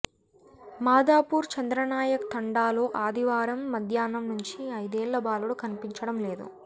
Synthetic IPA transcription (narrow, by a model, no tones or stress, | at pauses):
maːd̪aːpuːɾt͡ʃɐnd̪ɾɐnaːjɐkt̪ʰɐɳɖaːloːʔaːd̪ʱiʋaːɾɐmːɐd̪ʱjaːnɐmnuɲt͡ʃiɐjd̪eːɭːɐbaːluɽukɐnipiɲt͡ʃɐɽɐmleːd̪ṵ